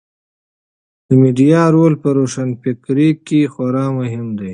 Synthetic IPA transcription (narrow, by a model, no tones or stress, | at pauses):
d̪̥əmiɖijɑːɾoːlpəɾoːʂanpɪkɾikːixwaɾɑːmʊɦɪmd̪ej